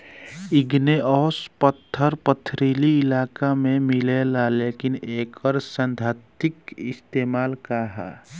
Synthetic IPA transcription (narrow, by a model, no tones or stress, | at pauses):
ɪɡneɔːspət̪ʰːəɾpət̪ʰɾiːliɪlaːkamẽmɪlelaleːkɪneːkəɾsənd̪ʱat̪ɪkɪst̪eːmaːlkaɦa̰